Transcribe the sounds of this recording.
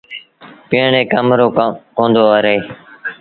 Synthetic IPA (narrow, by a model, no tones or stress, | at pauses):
pɪːɳẽːkəmɾoːõːnd̪oːəɾeː